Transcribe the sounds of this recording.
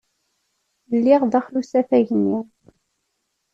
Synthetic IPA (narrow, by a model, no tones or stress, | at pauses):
lːiʁðæχlusæθæʝənːi